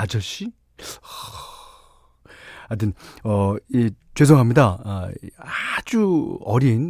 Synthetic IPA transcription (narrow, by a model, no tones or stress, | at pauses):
ad͡ʑʌɕ͈i | ʌ | adɯnʌet͡ɕwes̬ʰoŋɦamɲida | ad͡ʑuʌɾin